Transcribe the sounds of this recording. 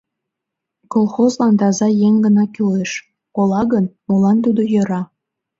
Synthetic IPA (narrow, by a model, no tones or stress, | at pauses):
kolˠxozlɑnd̪ɑzɑjeŋɡənɑkyleʃ | kolɑɣənmolɑnt̪ud̪ojə̆ɾɑ